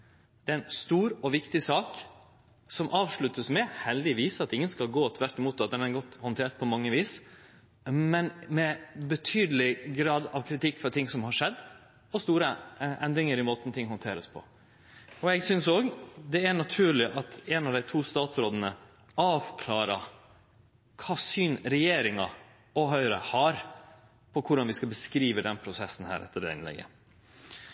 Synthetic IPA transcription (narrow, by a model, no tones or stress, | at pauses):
d̪̥ɛɛnst̪uːɾɔʋɪkt̪ɪsɑːk | sɔmʔɑːʋʂɭʉt̪ːəsmɛhɛld̪ɪʋiːsɑt̪ɪŋːənskɑlɡoːt̪ʰʋæɾʈ̪ɪmuːt̪ɑt̪̚d̪ɛnæɾɡɔt̪ːhɔnt̪ʰeːʈ̚pʰɔmɑŋːəʋiːs | mɛnmɛbət̪ʰyːd̪əlɪɡɾɑːd̪ɑʋkʰɾɪt̪ɪkːfɔɾt̪ʰɪŋsɔmhɑʂɛd̪ː | ɔst̪uːɾəʔɛnd̪ɾɪŋəɾɪmoːt̪ən̩t̪ʰɪŋːhɔnt̪ʰeːɾə̰spʰɔ̰ | ɔɛɡsʏnsoːɡd̪ɛæɳɑt̪ʰʉːɭɪʔɑt̪ɛːnɑʋd̪æɪt̪ʰuːst̪ɑːt̪sɾoːd̪ənə | ɑːʋkʰlɑːɾɑ | kʰɑːsyːnɾɛjeːɾɪŋɑ | ɔɦœʏəɾəhɑɾ | pʰɔkʰʊɖɑnʋɪskɑlbəskɾiːʋəd̪ɛnpʰɾʊsɛsːn̩hæ̰ːɾʔɛ̰t̪ːəɖɛ̰ɪ̰nlɛ̰ɡə̰